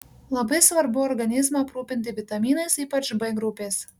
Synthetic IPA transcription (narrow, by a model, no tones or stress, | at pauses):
lˠɐbɐɪsʋɐɾbʊɔɾɡɐnʲɪzmɑɐpɾuːpʲɪnʲt̪ʲɪʋʲɪt̪ɐmʲiːnɐsiːpɐt͡ʃbɐɪɡɾʊpʲeːs